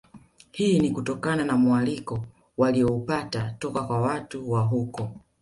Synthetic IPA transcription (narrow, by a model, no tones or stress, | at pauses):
hiːnikutɔkananamualikɔ | waliɔupatatɔkakwawatuwaɦukɔ